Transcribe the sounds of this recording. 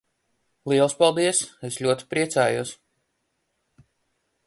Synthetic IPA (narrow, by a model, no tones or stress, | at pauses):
lˠiɛlˠspalˠd̪iɛseslʲuɔt̪i̥pɾiɛt̪saːjuɔs